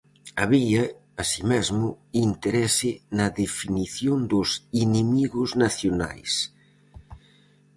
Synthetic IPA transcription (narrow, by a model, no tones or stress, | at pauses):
aβiɐː | simɛzmʊint̪eɾɛsɪnɐðefiniθjond̪ʊsinemiɣʊznaθjona̰js